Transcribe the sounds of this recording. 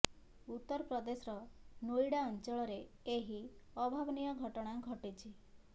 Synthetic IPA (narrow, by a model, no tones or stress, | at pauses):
ut̪ːɔɾɔpɾɔd̪esɾɔnojɽaɔnt͡ʃɔɭɔɾeeɦiɔbʱabnijɔɡʱɔʈɔɽ̃aɡʱɔʈit͡ʃʰi